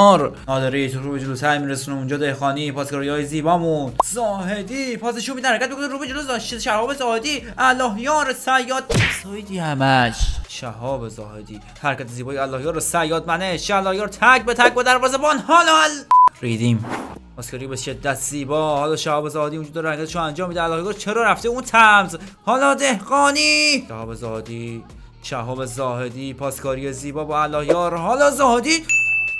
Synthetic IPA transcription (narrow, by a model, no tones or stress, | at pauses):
ɾnɒːd̪eɾit̪ʰɾuːbed͡ʒolot̪ʰæɾmiɾesunemund͡ʒɒːd̪ehxɒːniːpʰɒːskʰɔɾijɒːjeziːbɒːmunzɒːhed̪iːpʰɒːs̬eʃuːmiːæhæɾkʰʲæt̪mikʰoneɾuːbed͡ʒolozʃʃæhɒːbezɒːhed̪iːælːɒːɦjɒːɾesæjːɒːd̪̚z̥ɒːed̪iːhæmæʃʃæhɒːbezɒːhed̪iː | hæɾkʰæt̪ʰeziːbɒːjeælːɒːhjɒːɾesæjːɒːt̪̚mæneʃæælːɒːhjɒːɾt̪ʰæk̚bet̪ʰæk̚bæd̪æɾbɒːzebɒːnhɒːlɒlɾiːd̪im | pʰɒːskʰɒːɾiebeʃed̪ːæt̪ʰz̥iːbɒːhɒːlɒːʃæhɒːbe̞zɒːhed̪iːund͡ʒud̪ɒːɾehæɾkʰæt̪eʃoænd͡ʒɒːmːid̪eælːɒːhejɒɾt͡ʃʰeɾɒːɾæft̪eunt̪ʰæmzhɒːlɒːd̪e̞hɡɒːniːʃæhɒːbe̞zɒːhed̪i | ʃæhɒːbe̞zɒːhe̞d̪iːpʰɒːskʰɒːɾijeziːbɒːbɒːælːɒːhjɒːɾhɒːlɒːzɒːhd̪iː